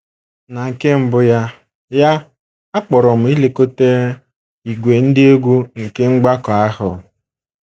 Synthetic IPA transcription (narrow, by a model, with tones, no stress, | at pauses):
na˨ŋ̩˨ke˦m̩˦bʊ˦ja˦ | ja˦ | a˦k͡pɔ˨ɾɔ˨m̩˨˦i˦le˨ko˦te˦ | i˨ɡʷe˨n̩˦dɪ˦o˦ɡʷu˦ŋ̩˨ke˦ŋ͡m̩˦ɡ͡ba˦kɔ˨a˦ɦʊ˨